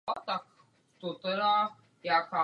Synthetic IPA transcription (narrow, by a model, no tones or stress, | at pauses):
at̪a | t̪ut̪ɾa | jaka